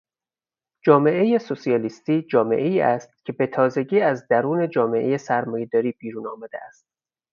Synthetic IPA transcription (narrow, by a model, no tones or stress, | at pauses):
d͡ʒɒːme̞ʔe̞je̞sosiɒːlist̪iːd͡ʒɒːme̞̰ʔeiːʔæst̪̚cʲʰe̞be̞t̪ʰɒːze̞ɟiːæzd̪æɾuːne̞d͡ʒɒːme̞ʔeje̞sæɾmɒːje̞d̪ɒːɾiːbiːɾuːnɒːmæd̪eʔæst̪̚